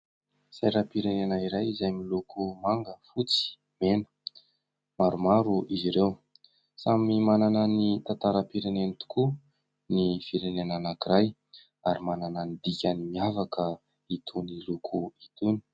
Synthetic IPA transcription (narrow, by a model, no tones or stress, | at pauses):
sajɾapiɾenenaiɾajizajmilukumaŋɡəfut͡si̥ | menə̥ | maɾumaɾuiziɾew | samimanananit̪at̪aɾapiɾenenit̪u̥ku | nifiɾenenanakiɾaj | aɾimanananid̪ikʲanimiavakʰə | it̪ʰunilukʰuit̪uni̥